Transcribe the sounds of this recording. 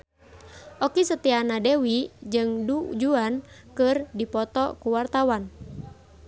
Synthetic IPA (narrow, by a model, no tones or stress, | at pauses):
ʔɔkisət̪ianadewid͡ʒɨŋdud͡ʒuan | kɨrdipɔt̪ɔkuwart̪awan